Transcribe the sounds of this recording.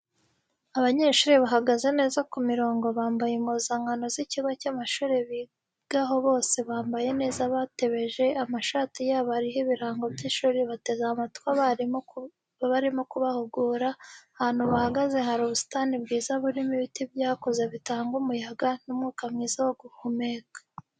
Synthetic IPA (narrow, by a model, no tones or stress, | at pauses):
aβaɲeʃuɾiβaɦaɡaze̞ne̞ːzakumiɾo̞ːŋɡo̞βaːmbajemuzaŋɡano̞ziciβacamaʃuːɾeβi | ɡ̥aɦo̞βo̞ːse̞βaːmbaje̞ne̞ːzaβate̞βe̞ʒe̞amaʃaːtijaːβaaɾiɦeβiɾaːŋɡo̞bɟiʃuɾeβate̞zamatkwa | βaɾimo̞kuβahuɡuːɾahaːn̥huβahaɡaze̞ɦaɾuβusi̥tanibɡiːzaβuɾimiβitibjaːkoze̞βitaːŋɡumujaɡanumŋuːkamɲiːzawoɡuhomekḁ